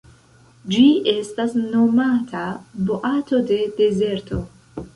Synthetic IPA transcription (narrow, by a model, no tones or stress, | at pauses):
d͡ʒie̞stasno̞matʰaboʔato̞de̞de̞ze̞ɾtʰo̞